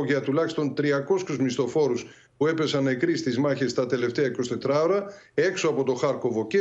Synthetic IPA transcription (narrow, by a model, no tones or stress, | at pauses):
ʝɐt̪ulɐçist̪o̞nt̪ɾiɐko̞skuzmist̪o̞fo̞ɾus | pue̞pe̞sɐnekɾist̪izmɐçe̞st̪ɐt̪e̞le̞ft̪eɐiko̞st̪e̞t̪ɾɐoɾɐ | e̞kso̞ɐpo̞t̪o̞xɐɾko̞vo̞ce